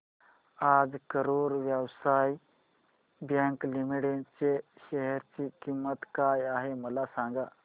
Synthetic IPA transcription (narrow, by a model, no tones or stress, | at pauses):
ad͡zkəɾoɾʋjəwsaj | bjaŋklimiɽent͡seɕəɦɛɾt͡ɕikimːət̪kajaɦeməlasãŋɡa